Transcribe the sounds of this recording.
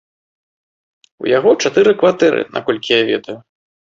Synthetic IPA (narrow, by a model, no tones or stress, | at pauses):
ṵjaɣɔt͡ʂat̪ɨɾɨkvat̪ɛɾʔɨ̰nʔa̰kɔlʲkʲijavʲɛ̰d̪ɐju